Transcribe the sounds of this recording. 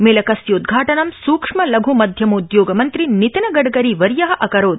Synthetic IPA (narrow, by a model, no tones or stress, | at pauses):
melɐkɐsjoud̪ɡʱaːʈɐnɐmsuːkʂmɐlɐɡʱumɐd̪ʱjɐmɐud̪joːɡɐmɐnt̪ɾinit̪ɐnɐɡɐɽɡɐɾiʋɐɾjɐɦɐʔɐkɐɾoːd̪